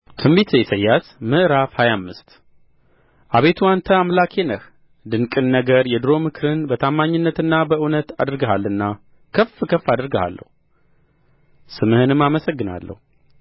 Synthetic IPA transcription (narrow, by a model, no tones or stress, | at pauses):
t̪ʰɨmbit̪ʰejɛsəjːasmɨʔɾafhajamːɨst̪ | ʔaβe̞t̪ʰuant̪ʰəamlakʰe̞nəh | d̪ɨŋkʼɨnːəɡəɾjɛd̪ɨɾo̞mɨkʰɨɾɨnbət̪ʰamːaɲːɨnːət̪ɨnːabəʔɨwnət̪a̰d̪ɨɾɡəhalːɨnːa | kʰəfːkʰəfːad̪ɾɡəha̰lːə̰hu | sɨmɨhɨnɨmːaməsəɡːɨna̰lːə̰hu